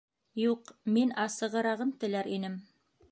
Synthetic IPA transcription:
juqminɑsɤ̆ʁɤ̆ɾɑʁɤmt̪ɘ̆læɾinɘm

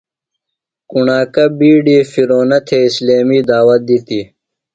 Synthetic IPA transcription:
kuɳaːkɐbiːɖiːfiɾoːnɐt̪ʰeisleːmiːd̪aːwɐt̪̚d̪it̪i

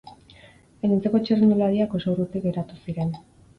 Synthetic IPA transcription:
enint͡seko̞t͡ʃerinulaɾiako̞sorut̪ikɡe̞ɾat̪usiɾe̞n

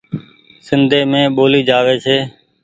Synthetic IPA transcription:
sɪnd̪ʱeːmẽːɓoːliːd͡ʒaːʋeːseː

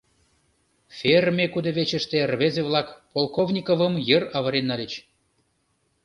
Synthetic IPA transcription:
fʲermʲekud̪eβet͡ɕə̆ʃt̪erβezeβlˠɑkpolˠkovnʲikovə̆mjərɑβɤ̆ɾenːɑlʲet͡ɕ

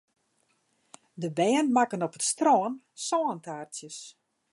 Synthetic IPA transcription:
dəbɛːənmakənɔpətstroːən | sɔːəntaːrtjəs

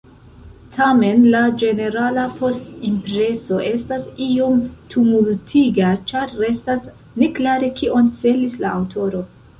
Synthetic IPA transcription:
tʰame̞nlad͡ʒe̞ne̞ɾalapʰo̞stimpɾe̞so̞ʔe̞stasio̞mtʰumultʰiɡat͡ʃaɾːe̞stas | ne̞klaɾe̞kʰiʔo̞nt͡se̞lislaawtʰo̞ɾo̞

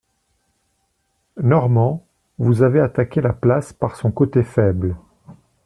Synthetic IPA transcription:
nɔʁmɑ̃ | vuzaveat̪akʲelaplaspaʁsɔ̃kot̪efɛbl

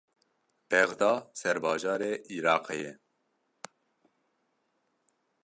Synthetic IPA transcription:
b̥ɛɣd̪ɑːsɛɾbɑːʒɑːɾeːʔiɾɑːqejɛ

